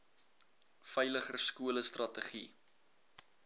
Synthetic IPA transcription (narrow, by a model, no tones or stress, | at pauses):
fəjləχərskuələstrɐtəχi